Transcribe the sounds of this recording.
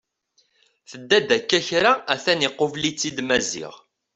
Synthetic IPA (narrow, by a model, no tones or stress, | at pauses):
θəd̪ːæd̪ækːæçɾaæθæniqːovlit͡sːid̪mæzḭʁ